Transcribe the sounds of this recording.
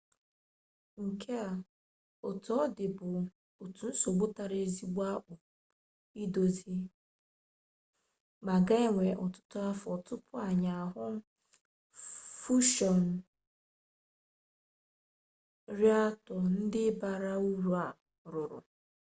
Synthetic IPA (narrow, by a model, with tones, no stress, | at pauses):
ŋ̩˨kʰe˦a˨ | o˨tɔ˦ɔ˦dɪ˨bʊ˨ | o˨tu˨n̩˦so˨ɡ͡bo˦ta˨ɾe˨zi˦ɡ͡ba˦k͡pʊ˨ | i˦do˨zi˦ | ma˨ɡa˦e˦ŋʷe˨ʔɔ˨tʊ̥˦tʊ˦a˦fɔ˨tʊ˦pʊ˦a˨ɲa˨a˨ɦʊ˦ | fu˦ʃɔ˨n̩˨ | ɾi˦a˦tɔ˨n̩˦dɪ˦ba˨ɾa˦u˦ɾu˨a˨ | ɾʊ˨ɾʊ̰˨